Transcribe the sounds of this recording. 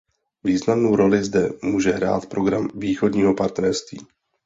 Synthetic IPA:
viːznamno̞wɾo̞lɪzdɛmuːʒɛɦɾa̰ːt̪pɾo̞ɡɾamviːxo̞dɲiːɦo̞paɾt̪nɛɾst̪vḭː

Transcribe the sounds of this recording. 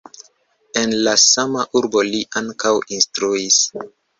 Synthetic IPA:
e̞nlasamaʔuɾbo̞liʔaŋkawinstɾuis

